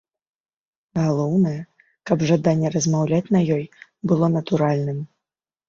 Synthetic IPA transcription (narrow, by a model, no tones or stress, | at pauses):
ɣalˠɔwnɐjɛ | kɐbʐad̪anʲːɛɾɐzmawlʲat͡sʲnɐjɔjbɨlˠɔnɐt̪uɾalʲnɨm